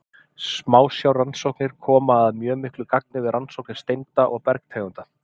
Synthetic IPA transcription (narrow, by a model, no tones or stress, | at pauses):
smaːwsjawransowknɪɾ̥kʰɔːmaːðmjœːmɪhklʏkak̚nɪvɪðɾansowknɪ̥ɾ̥st̪ejnt̪aʔɔɣpɛɾk̚t̪ʰejɣʏnt̪a